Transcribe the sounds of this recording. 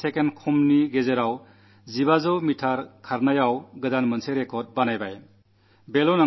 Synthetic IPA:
sekenkʰumniɡezeɾaw | zibazɯwmitʰaɾkʰaɾnajawɡɯdanmɐnsʰeɾekʰɔɾt̚banajbaj | belɔna

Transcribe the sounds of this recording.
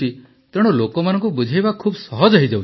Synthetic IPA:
i | t̪ɔɽ̃ɔlokɔmanɔŋkubud͡ʒʱajbakʰuːbsɔɦɔd͡ʒaɦid͡ʒaw

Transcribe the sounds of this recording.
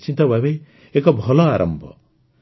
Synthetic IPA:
t͡ʃint̪ɐbʱɐʋe | ekɐbʱɔloaːɾʔɐ̰mbʱɔ̰

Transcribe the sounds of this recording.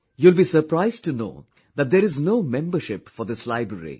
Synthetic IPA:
julbisəɾpɾaɪzɖ̚ʈuno̰ː | d̪æt̚d̪eɾɪznoːmɛ̃mbəɾʃɪpfɔɾd̪ɪslaɪbɾəɾḭ

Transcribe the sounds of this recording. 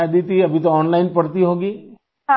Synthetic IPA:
d̪it̪iɐbʱit̪oɔːnlaːɪnpɐɾt̪iɦoːɡiː

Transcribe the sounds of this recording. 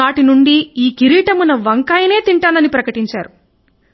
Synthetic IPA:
aːʈinuɳɖiiːkiɾiːʈɐmunɐʋɐŋkaːjɐne̞ːt̪iɳʈaːnɐnipɾɐkɐʈiɲt͡ʃaːɾu

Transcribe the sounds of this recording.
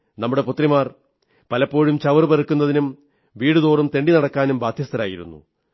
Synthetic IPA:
nɐmːuɽe̞put̪ːrimaːr | pɐlɐpːo̞ːɻumt͡ɕɐʋɐrbɐɾɐkːunːɐðinum | ʋiːɽɨðo̞ːrumt̪e̞ɳɖinɐɽɐkːaːnumbaːd̪ʱjɐst̪ʰɐɾaːjiɾṵnːṵ

